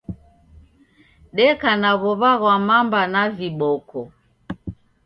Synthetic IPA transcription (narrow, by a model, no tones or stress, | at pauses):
ɗɛkanaβɔβaɣwamambanaviɓɔkɔ